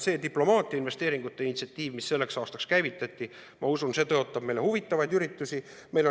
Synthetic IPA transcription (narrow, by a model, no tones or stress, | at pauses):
se̞ːd̪iplo̞mɑːt̪ʲˑiɑinve̞st̪e̞ːɾiŋɡ̥ut̪ːˑe̞inʲit̪siɑt̪ʲːˑiːvmisːe̞lːe̞ksɑːst̪ɑkskæjvit̪ːˑɑt̪ʲːˑi | mɑusunse̞ːt̪ɤo̞t̪ːˑɑb̥̚me̞jle̞huvit̪ˑːɑvɑjd̪yɾit̪ːˑusʲi | me̞jlo